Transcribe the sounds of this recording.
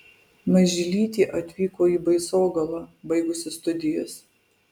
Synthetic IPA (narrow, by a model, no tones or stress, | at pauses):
mɐʒʲɪlʲiːt̪ʲiːʔɐt̪ʲʋʲiːkoːiːbɐɪsoːɡɐlˠɐbɐɪɡʊsʲɪst̪ʊd̪ʲɪjɛs